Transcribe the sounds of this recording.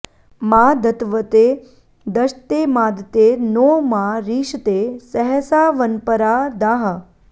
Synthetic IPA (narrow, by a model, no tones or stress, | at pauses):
maːd̪ʱət̪ʋət̪e | d̪əʃt̪emãːd̪t̪enomaɾiːʃt̪esəɦəsaːʋənpəɾad̪aɦə